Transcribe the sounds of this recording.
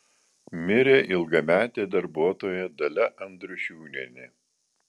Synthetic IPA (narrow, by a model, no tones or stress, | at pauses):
mʲɪɾʲeːʔɪlˠɡɐmʲæːt̪ʲeːd̪ɐɾbuɔt̪oːjɛd̪ɐlʲɛʔɐnd̪ɾʊʃʲuːnʲenʲɪ